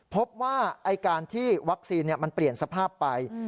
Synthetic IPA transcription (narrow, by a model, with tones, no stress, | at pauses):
pʰo˦˥p̚waː˥˩ʔa˧jkaː˧nt̪ʰiː˥˩wa˦˥k̚siː˧nːi˥˩ma˧npli˨˩ənsa˧pʰaː˥˩pːa˧j